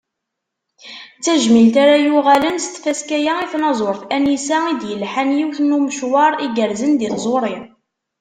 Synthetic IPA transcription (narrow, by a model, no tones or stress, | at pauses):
t͡sːæʒmilt̪aɾajuʁælənst̪ːfæskæjæiθnɑzˤoɾθænisæid̪jəlħanjiwθnuməʃwɑɾˤiɡəɾzənd̪iθzˤoɾˤi